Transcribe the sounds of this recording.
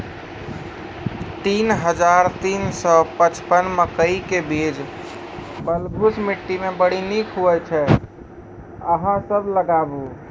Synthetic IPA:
t̪inɦəd͡ʒaɾt̪iːnsɔpət͡ʃpənməkəikebid͡ʒ | bəlɡʱusmiʈːimebəɽ̤inikɦoɛt͡ʃʰɛ | əɦãsəbləɡabu

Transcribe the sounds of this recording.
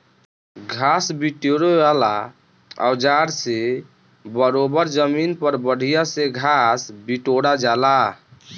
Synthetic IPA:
ɡʱasbiʈoɽeala | a̰wd͡ʒaɽse | bəɾobəɾd͡ʒəminpəɾbəɽ̤ʱijaseɡʱasbiʈoɽad͡ʒala

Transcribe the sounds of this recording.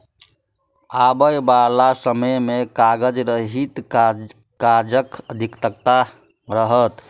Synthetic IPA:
abəjbalasəməjmekaɡəd͡ʒɾəɦit̪ | kad͡ʒəkəd̪ʱikt̪əkt̪a | ɾəɦət̪

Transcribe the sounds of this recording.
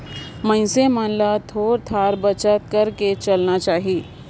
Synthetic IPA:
mɐ̃ɪsemãːnlat̪ʰoːɾt̪ʰaːɾbɐt͡ʃət̪̚kɐɾket͡ʃɐlnat͡ʃaːɦieː

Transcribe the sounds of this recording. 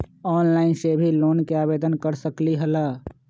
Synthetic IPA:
ɔːnlaːɪnsebʱilonkeabed̪ənkəɾsəkliɦəla

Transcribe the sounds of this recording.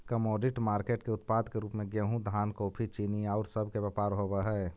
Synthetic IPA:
kəmɔːɖiʈmaːɾkeʈkeʊt̪paːd̪keɾuːpmẽɡeɦũd̪ʱaːnkoːpʰit͡ʃiniaːʊɾsəbʱkebɛpaːɾɦobəɦɛ

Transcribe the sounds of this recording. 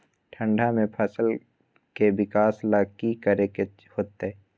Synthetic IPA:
ʈʰə̃ɳɖʱamẽpʰəsəl | kebɪkaːslaːkikəɾeke | hoːt̪eɛ

